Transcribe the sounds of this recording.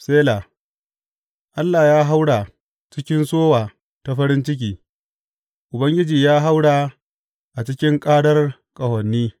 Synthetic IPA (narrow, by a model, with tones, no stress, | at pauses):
seː˦la˨ | ʔa˦lːaː˨jaː˦ɦa˦wɽa˨ | t͡ʃɪ˦kʲɪ˦nsoː˦waː˨ | ta˦ɸɐ˦ɾɪ˦nt͡ʃɪ˦k̬ʲiː˨ | ʔʊ˨bɐ˦ŋɡʲɪ˦d͡ʒiː˨jaː˦ɦa˦wɽa˨ | ʔa˨t͡ʃɪ˦kʲɪ˦ŋkʼaː˦ɽɐ˦r | kʼɐ˨hɐ˨nːiː˦